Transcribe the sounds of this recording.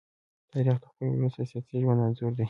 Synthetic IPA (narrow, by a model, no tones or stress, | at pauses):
t̪ɑɾixd̪əxpajwɾust̪asjɑsiʒwand̪ɑnzoɾd̪i